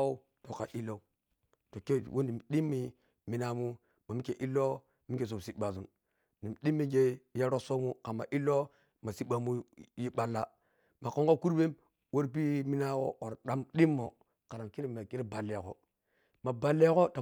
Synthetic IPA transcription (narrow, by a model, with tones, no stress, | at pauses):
o˦ | to˨ka˨ʔi˦lo˦u˦ | to˨ke˦˨wo˦ni˨m˨ɗi˦mːi˦ | mi˨˦na˨mu˦ | ma˨mi˦ke˨ʔi˦lo˦ | mi˦ke˨s̬o˨m˨si˦ɓa˨zu˦n | ni˨m˨ɗi˦mːi˦ɡe˦ja˦ɾo˦so˦mu˦ka˨ma̰˨ʔi˦lo˦ | ma˨si˦ɓa˨mu˦ji˦ɓa˦˨lːa˦ | ma˨ko˦ŋɡo˦ku˦ɾbe˦m | wo˦ɾp̬i˦mi˦na˦wo̰˦o˨ɾɗa˦mɗi˦mːo˨ | ka˨ɾa˨mki˦ɾi˦ma˨ki˦ɾi˦ba˨lːe˨ko̰˦ | ma˨ba˨le˦ko˦ta˨